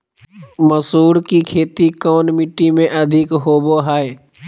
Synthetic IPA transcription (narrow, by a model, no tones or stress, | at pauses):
məsuːɾkikʰeːt̪ikɔːnmɪʈːimẽʔɐd̪ʱɪkɦoːboɦaːe